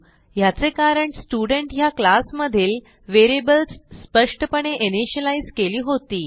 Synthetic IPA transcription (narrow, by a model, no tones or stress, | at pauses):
jat͡sekaɾəɳsʈuɖəɳʈjaklasməd̪ʱiːl | ʋeɾebəlsspəʂʈəpəɳeʔeneɕəlaizkeliːɦot̪iː